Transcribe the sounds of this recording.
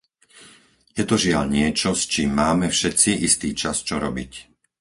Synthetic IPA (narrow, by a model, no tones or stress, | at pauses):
jɛt̪ɔʒɪaʎɲɪɛt͡ʃɔst͡ʃiːmːaːmɛfʃɛt̪t͡siʔist̪iːt͡ʃast͡ʃɔɾɔbic